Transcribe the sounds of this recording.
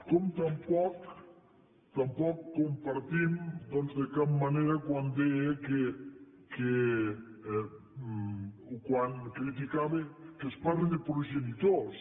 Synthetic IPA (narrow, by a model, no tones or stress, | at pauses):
kɔmt̪ampɔk | t̪ampɔkːompaɾt̪imd̪ɔnzd̪ekap̚maneɾakwand̪eeke | ke | ukwaŋkɾit̪̬ikaβekespaɾled̪epɾoʒenit̪os